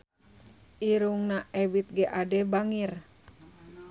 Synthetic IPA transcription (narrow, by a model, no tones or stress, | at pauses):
ʔiɾuŋnaʔɛbit̪̚ɡɛʔadɛbaŋir